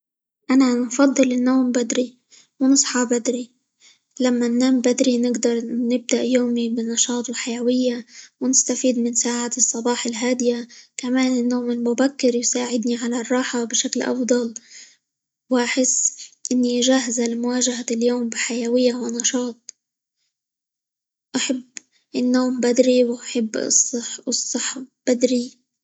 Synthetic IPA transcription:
ʔananfɑd̪ˤːɨlɪnːoːmbad̪ɾi | wnɨsˤħɑbad̪ɾi | lamːanːaːmbad̪ɾinɪɡd̪ɑɾˤnɪb̚d̪aʔjoːmibɪnɑʃɑːt̪ˤwɪlħajawɪjːawnɪst̪afiːd̪̚mɪnsaːʕaːt̪ɨsˤːɑbɑːħɪlɦaːd̪ɪjakamaːnɪnːoːmɪlmʊbakːɪɾjsaːʕɪd̪niʕalarˤːɑːħabɪʃaklʔɑ̰fd̪ˤɑl | wʔaħɪsːʔɪnːiʔʒaːɦazalmʊwaːʒaɦaljoːmbɪħajawɪjːawɪnɑʃɑːt̪̚ˤ | ʔaħabː | ʔɪnːoːmbad̪ɾiwʔaħɪb̰ːsˤːħɨsˤːɑħb̥ad̪ɾi

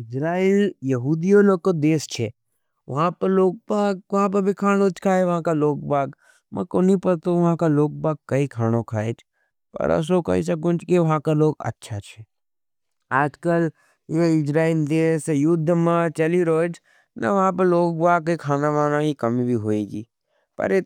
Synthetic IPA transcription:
ɪd͡ʒɾaːiljɐɦuːd̪ijolokod̪eːst͡ʃʰe | ʋɐɦãpəɾloːɡ̚baːɡ̚ʋɐɦãp̬ɐɾbʱikʰaːñõt͡ʃkʰaːeʋɐɦãkaloːk̚baːɡ | mɐ̰̃koːnipəɾt̪oʋɐɦãkaloːk̚baːɡ̚kːɐikʰaːñokʰaːet͡ʃʰ | pɐ̰ɾɐ̰s̬okɐ̰ḭs̬akʊt͡ʃkeʋɐɦãkaloːɡɐ̰tːʃʰat͡ʃʰɛ | aːd͡ʒkəl | joɪd͡ʒɾaːɪnd̪eːsjʊd̪ʱːmãt͡ʃɐliɾoːd͡ʒʰ | na̰ʋɐɦãp̬ɐɾloːɡ̚baːɡ̚keikʰaːnaʋaːnaɦikɐmibʱiɦoeːɡḭː | pɐ̰ɾe

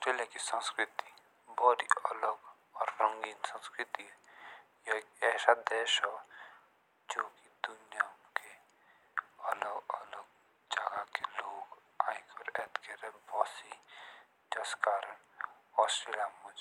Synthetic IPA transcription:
sʈɾeːljakisə̃nskɾɪt̪i | bɔɾiə̰ləɡ | ɔːɾːə̃ŋɡiːnsə̃nskɾɪt̪i | jakɛːsad̪ɛːʃɔ | d͡ʒoːkid̪ʊnjake | ələɡələɡ | d͡ʒaɡakeloːɡ | aːɪkɔːɾɛːt̪keɾɛbɔːsi | d͡ʒɐskaːɾənɔːsʈɾeːljamɐd͡ʒ

